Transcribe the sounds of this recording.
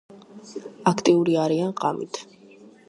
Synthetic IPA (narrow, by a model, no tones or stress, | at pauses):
akʰt̪ʼiuɾiaɾianqʼamḭt̪ʰ